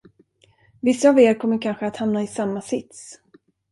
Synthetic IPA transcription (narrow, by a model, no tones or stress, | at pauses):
vɪsːaːveːɾkʰɔmːəɾkʰanɧəat̪hamnaɪsamːasɪt̪s